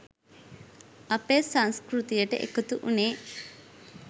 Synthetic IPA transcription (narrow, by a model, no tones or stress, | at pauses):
ɐpeːsɐŋskɾut̪ijɐʈə̰ʔḛkut̪uʔuneː